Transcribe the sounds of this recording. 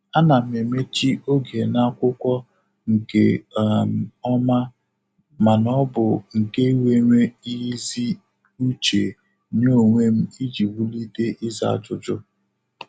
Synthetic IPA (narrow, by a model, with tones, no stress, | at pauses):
a˦na˨m˨e˨me˦t͡ʃi˦o˦ɡi˨e˨na˦kʷʊ˦kʷɔ˦ | ŋ̩˨ke˦˨m˨ɔ˦ma˦ | ma˨nɔ˦bʊ˨ŋ̩˨ke˦i˦we˦ŋʷe˦i˦zi˦ | u˦t͡ʃe˨ | ɲo˦˨ŋʷe˦m̩˦i˦d͡ʒi˨wu˦li˦de˦ʔi˦za̰˦˨t͡ʃʊ˨d͡ʒʊ˦